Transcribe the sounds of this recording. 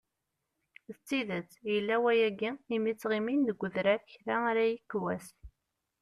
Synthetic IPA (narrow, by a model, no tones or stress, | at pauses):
θt͡sːiðət͡sːjəlːæwæjæɡiimit͡sːʁiminðəɡʷːəðɾæçɾaaɾæjikːwæs